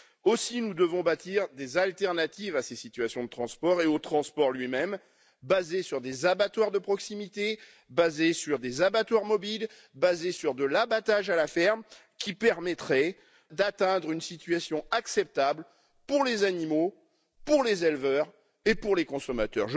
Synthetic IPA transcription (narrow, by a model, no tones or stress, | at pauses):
osinud̪əvɔ̃bat̪iʁd̪ezalt̪ɛʁnat̪ivasesit̪ɥasjɔ̃d̪ət̪χɑ̃spɔʁeot̪χɑ̃spɔʁlɥimɛm | bazesyʁd̪ezabat̪waʁd̪əpχɔksimit̪e | bazesyʁd̪ezabat̪waʁmɔbil | bazesyʁd̪əlabat̪aʒalafɛʁm | kʲipɛʁmɛt̪χɛ | d̪at̪ɛ̃d̪ʁynsit̪ɥasjɔ̃aksɛp̚t̪abl | puʁlezanimo | puʁlezɛlvœʁ | epuʁlekɔ̃sɔmat̪œ̰ʁʒ